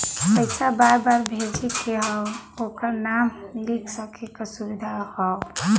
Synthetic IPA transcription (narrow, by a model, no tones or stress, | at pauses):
kəɪsabaɾbaɾbʱed͡ʒikeɦɔwokəɾnamlikʰsəkʰekasubid̪ʱaɦɔʊ